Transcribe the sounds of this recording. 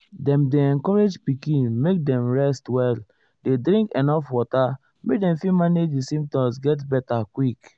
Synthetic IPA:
dɛ̃mdeɛ̃ŋkɔɾed͡ʒpikĩnmek̚dɛ̃mɹɛstwɛl | dedɾĩŋkenɔfwɔta | mek̚dɛ̃mfimaned͡ʒdisĩmp̚tɔ̃msɡɛt̬bɛtakwik

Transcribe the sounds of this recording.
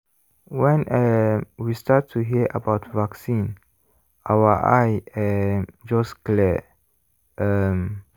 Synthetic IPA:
wɛ̃nɛwistatʰːuɦiəʔə̰baʊtvaksĩn | ʔawəʔajɛd͡ʒɔsklɛ | ʔəm

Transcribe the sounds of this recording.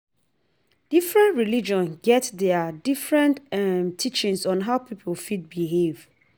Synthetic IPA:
d̥ifɹɛ̃ntɹilid͡ʒɔ̃nɡɛtðɛdifɹɛ̃ntɛmtʰit͡ʃĩnsɔ̃nɦaʊpʰipʰolfit̚biɦev̥

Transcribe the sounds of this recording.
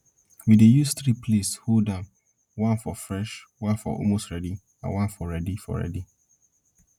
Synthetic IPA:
widejusθɾipʰleshodãm | wãnfɔfɹɛʃwãnfɔ̰ʔɔ̰lmostɹɛdi | ã̰nwãnfɔɹɛdifɔ̰ɹɛ̰di

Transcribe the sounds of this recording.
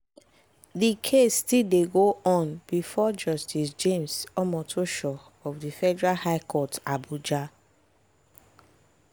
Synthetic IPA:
ðikʰesːtildeɡoʔɔ̃nbifɔd͡ʒɔstis̬d͡ʒẽmsɔmɔtʰoʃɔ | ɔvðifɛdɛɹalhaɪkʰɔtabud͡ʒa

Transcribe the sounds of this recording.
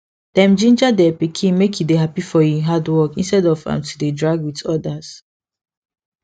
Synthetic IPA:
d̥ɛ̃md͡ʒĩnd͡ʒadɛpikʰĩnmekʰjudeɦapifɔjĩɦadwɔkḭ̃nstɛdɔvã̰mtʰudedɹaɡwitɔdaz̥

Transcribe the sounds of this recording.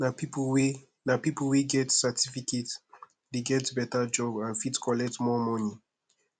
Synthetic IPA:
napipwi | napiplwiɡɛtsətʰifiket | deɡɛtbɛtad͡ʒɔbãnfitkʰɔlɛk̚tmɔmɔni

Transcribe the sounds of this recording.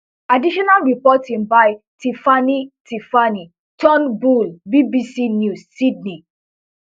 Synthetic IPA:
adiʃɔnalɹipɔtĩŋbaj | tifanitifani | tʰɔ̃nbulbibisinjussid̚ni

